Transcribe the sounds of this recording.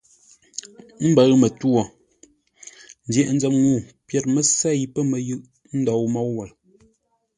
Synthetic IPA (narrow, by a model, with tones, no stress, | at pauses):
m̩˦bə˨ɣmə˨twɔ˨ | n̩˦djɛ˨ʔn̩˦d͡zɛ˨m̚ŋu˦˨pjɛ˨t̚mə˨sɛ˦˨ji˦pə˦mə˨jɯ˦ʔ | n̩˦dɔ˨˦wmɔ˨˦wwɛ˨l